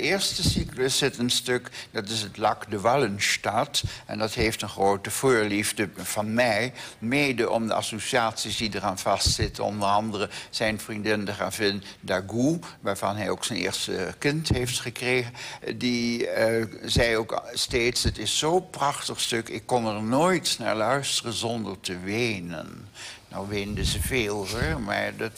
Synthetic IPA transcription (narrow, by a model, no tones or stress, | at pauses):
dəɪːɹstəsikləsɪtənstøkdɑtɪsətlɑkdəʋɑlənstɑtʔɛ̰ndɑtɦejftənχrowtəv̥oːɹlivdəv̥ɑnmɛjmeːdəʔɔ̰mdə̰ɑ̰sosiaːtsisdidəraːnv̥ɑstsɪtəɔ̰ndərɑndərəz̥ɛjnvrindɪndəχa̰ːvɪndaɡuʋaːɹv̥ɑ̰nɦɛjoːksənḛːɹstəkɪntɦeftχəkreːɣəndi | zɛjoːksteːtsətɪsːowprɑχtəχstɵkɪkːɔnəɹnoːjtna̰ːɹlœɥstərənzɔndəɹtəʋejnə̰nːɔ̰wʋeːndəzəveːlˠɦɔma̰ɹdɑt